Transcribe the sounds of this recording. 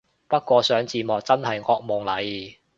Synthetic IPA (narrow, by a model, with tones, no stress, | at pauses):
pɐ˥t̚kʷɔː˧sœː˨˥ŋt͡siː˨mɔː˨˩k̚t͡sɐ˥nɦɐ˨jŋɔː˧k̚mo˨˩ŋlɐ˨˧j